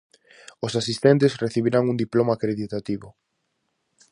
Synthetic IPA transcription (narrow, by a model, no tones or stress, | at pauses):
ʊsasist̪ent̪esreθiβiɾaŋund̪iplomakɾeðit̪at̪iβʊ